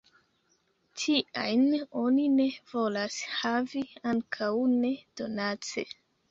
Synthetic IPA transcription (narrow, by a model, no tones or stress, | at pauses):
tʰiʔajno̞nine̞vo̞lashaviaŋkʰawne̞d̥o̞nat͡sḛ